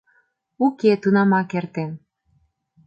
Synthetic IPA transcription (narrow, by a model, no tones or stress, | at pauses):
uket̪unɑmɑkert̪en